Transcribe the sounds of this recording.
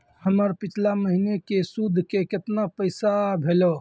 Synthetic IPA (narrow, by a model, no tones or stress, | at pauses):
həməɾpit͡ʃʰlaməɦinekesud̪ʱːkeket̪napəɪsabʱelɔ